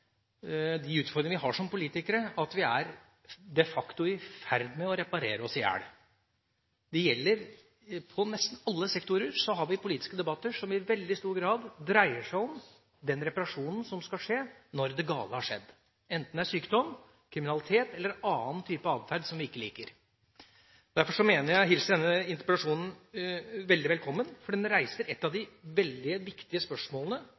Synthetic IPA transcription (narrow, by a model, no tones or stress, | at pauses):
d̪ɪʉːt̪fɔɾd̪ɾɪŋəʋɪɦɑʂɔmpʊliːt̪ɪkəɾəʔɑt̪ʋɪæɾ | d̪ɛfɑkt̪ʊɪfæɾd̪mɛɔɾɛpɑɾeːɾəɔsɪjæ̰ːɽ | d̪ɛjɛlːəɾ | pʰɔnɛst̪n̩ɑlːəsɛkt̪ʊɾəɾsɔɦɑɾʋɪpʊliːt̪ɪ̥skəd̪ɛbɑt̪ːəʂɔmɪʋɛld̪ɪst̪uːɾɡɾɑːd̪d̪ɾæɪəʂæɪɔm | d̪ɛnɾɛpɑɾɑʂuːnn̩sɔmskɑʂeːnɔɾd̪ɛɡɑ̰ːləhɑʂɛ̰d̪ː | ɛnt̪n̩æʂyːkd̪ɔm | kʰɾɪmɪnɑlɪt̪ʰeːt̪ɛlːəɾɑːnt̪ʰyːpəɑːʋ̪fæɾɖ̪sɔmʋɪɪkːəlḭːkəɾ | d̪̥æɾfɔʂɔmeːnəɾjæɪɦɪlsd̪ɛnːəəɪnt̪əɾpət̪ɑʂuːnn̩ | ʋɛld̪ɪʋɛlkʰɔmːənfɔɖiːd̪ɛnnɾæɪsəɾɛt̪ːɑd̪ɪʋɛld̪ɪəʋɪkt̪ɪəspœʂmoːlənə